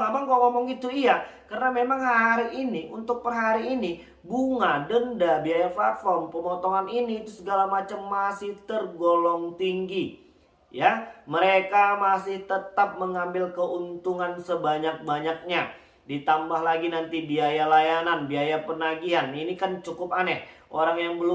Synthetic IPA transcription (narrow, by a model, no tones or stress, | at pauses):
apaŋkoʔŋomɔŋɡit̪uiakəɾənamemaŋhaɾiiniʔunt̪ʊk̚pərɦaɾiːni | buŋadəndabiajafafɔmpəmɔt̪ɔŋaniniːt̪usəɡalamat͡ʃamːasɪht̪ərɡolɔŋt̪iŋɡi | jaməɾekamasɪht̪ət̪ap̚məŋambɪlkəʔunt̪uŋansəbaɲak̚baɲak̚ɲa | dit̪ambahɦlaɡinant̪ibiajalajananbiajapənaɡiɦaninikant͡ʃukʊp̚anɛʔʔoɾaŋjaŋbəl